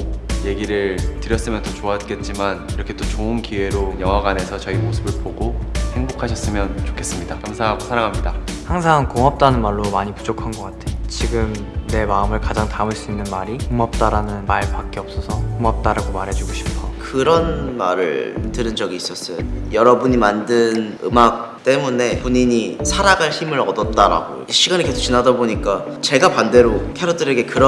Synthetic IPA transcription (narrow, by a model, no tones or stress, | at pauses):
je̞ɡiɾɯɭtɯɾjʌs͈ɯmjʌnt͈ot͡ɕoat̚k͈e̞t̚t͡ɕ͈imaniɾʌkʰe̞t͈ot͡ɕoɯnkie̞ɾojʌŋɦwaɡane̞sʰʌt͡ɕʌimosʰɯbɯɭpoɡohe̞ŋbokʰaɕʰʌs͈ɯmjʌnt͡ɕo̥kʰe̞s͈ɯmɲidakamsʰaɦaɡosʰaɾaŋɦamɲidahaŋsʰaŋkoŋɦap̚t͈anɯnmaɭːomaɲipud͡ʑokʰanɡʌk͈atʰe̞t͡ɕiɡɯmne̞maɯmɯɭkad͡ʑaŋtamɯɭs͈uinːɯnmaɾiumap̚t͈aɾanɯnmaɭpak͈̚eʌp̚s͈ʌsʰʌkumap̚t͈aɾaɡomaɾɦe̞d͡ʑuɡoɕʰi̥pʰʌkɯɾʌnma̰ɾɯ̰ɭtɯɾɯnd͡ʑʌɡiːs͈ʌs͈ʌejʌɾʌbuɲimandɯn | ɯ̰mak̚ | t͈e̞mune̞puɲiɲisʰaɾaɡaɭçimɯɾʌdʌt̚t͈aɾa̰ɡo̰jo̰ɕʰiɡanike̞sʰo̥kt͡ɕinadaboɲik͈a | t͡ɕe̞ɡapande̞ɾokʰeɾodɯɾe̞ɡe̞kɯɾʌ